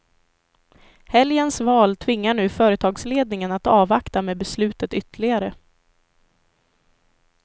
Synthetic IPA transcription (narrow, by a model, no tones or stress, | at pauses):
hɛljənsvɑːlt̪ʰvɪŋːaɳʉ̟ːfœːɾət̪ʰɑːɡsleːd̪nɪŋənat̪ɑːvakt̪ameːbɛslʉ̟ːt̪ət̪ʏt̪əɭɪɡaɾə